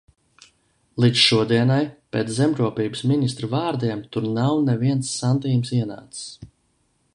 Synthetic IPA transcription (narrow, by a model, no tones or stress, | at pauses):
lˠid̪zʃuɔd̪iɛnajpʲɛːt̪szɛmɾuɔpʲiːbɨ̥sminist̪ɾɨvaːɾd̪iɛmt̪uɾnawnɛviɛnsːand̪iːmsiɛna̰ːt̪ɨ̥s